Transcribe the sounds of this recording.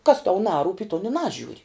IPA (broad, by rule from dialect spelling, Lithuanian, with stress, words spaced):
kɐs tɐʊ ˈnɑːruːpʲ ɪ toːn ɪ ˈnɑːʒʲuːrʲɪ